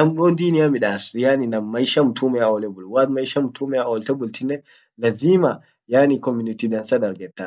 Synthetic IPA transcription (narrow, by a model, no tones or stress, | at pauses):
nɐmoːnd̪iːnɪjamɪᶑaːsjaːninɐmːɐjʃɐmt̪ʰuːmɛaolɛbʊlwaːd̪mɐjʃɐmt̪ʰuːmɛaoːlt̪ɛbʊlt̪ɪnːɛ | lɐziːma | jaːnikɔmʊnɪt̪id̪ɐnsɐd̪ɐɾɡɛt̪ːa